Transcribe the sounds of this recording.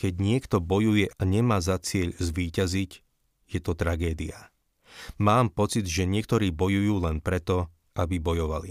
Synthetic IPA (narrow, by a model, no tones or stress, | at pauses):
kɛɟɲɪɛkt̪ɔbɔjujɛʔaɲɛmaːzat͡sɪɛʎzʋiːcaziɟ | jɛt̪ɔt̪ɾaɡɛːd̪ia | maːmpɔt͡sid̪ʒɛɲɪɛkt̪ɔɾiːbɔjujuːlɛnpɾɛt̪ɔ | ʔabibɔjɔʋalḭ